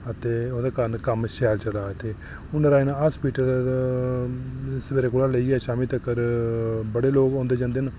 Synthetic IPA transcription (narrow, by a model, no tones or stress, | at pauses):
ət̪eːod̪aːkəɾnkəmʃɛːlt͡ʃəlaːɪt̪ʰeː | ʊnɾaːinɦaːspiːʈəl | sbeːɾeːkʊlaːləiːɡɛːʃaːmiːt̪əkːəɾ | bəɽeːloːɡõːnd̪eːd͡ʒãːnd̪eːn